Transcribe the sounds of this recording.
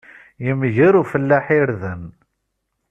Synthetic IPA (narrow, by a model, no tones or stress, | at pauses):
jəmʝəɾufəlːaħiɾðən